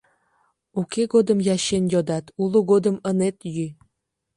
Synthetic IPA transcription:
ukeɡod̪əmjɑɕenjod̪ɑt̪uluɡod̪ə̆mənet̪jy

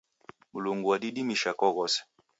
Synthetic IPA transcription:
muloŋɡuwadidimiʃakɔɣɔs

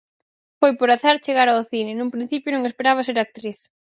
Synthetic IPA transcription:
fojpoɾaθaɾt͡ʃeɣaɾaoθinɪnũŋpɾin̟θipjʊnõŋespeɾaβ̞ɐseɾak̚t̪ɾiθ

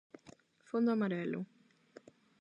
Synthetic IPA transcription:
fõnd̪ʊamaɾɛlʊ̰

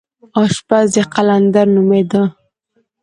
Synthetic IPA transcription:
ɑʃpazeqaland̪aɾnumed̪ə

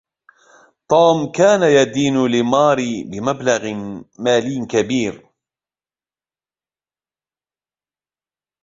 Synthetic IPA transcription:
t̪ˤuːmkaːnajad̪iːnlɪmɑːɾibɪmablɑɣmaːlɪjkabiːɾ

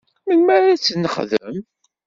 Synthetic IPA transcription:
mənmaɾat͡sːənːəχðəm

